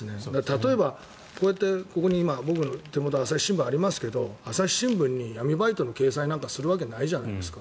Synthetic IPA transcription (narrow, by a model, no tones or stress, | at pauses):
ɨne̞d̪at̪at̪o̞e̞ba | ko̞ːjat̪ːe̞ko̞ko̞ɲ̟iːmabo̞k̬ɯ̟no̞t̪e̞mo̞t̪oasai̥ɕĩmbɯ̟̃aɾʲimasɨ̥ke̞d̪o̞asai̥ɕĩmbɯ̟̃ɲ̟ːijamʲibait̪o̞no̞ke̞ːsãĩnãŋkasɨɾɯ̟β̞ak̬e̞naiʑanaid̪e̞sɨ̥ka